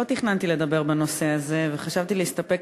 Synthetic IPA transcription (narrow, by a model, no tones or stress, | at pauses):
ot̪iχnant̪ile̞d̪abe̞ʁbeno̞se̞aze̞veχaʃavt̪ileist̪ape̞k